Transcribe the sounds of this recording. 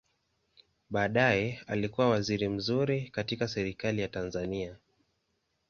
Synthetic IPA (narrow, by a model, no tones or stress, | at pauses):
ɓaːɗajɛalikuwawaziɾim̩zuɾikatikasɛɾikalijatanzania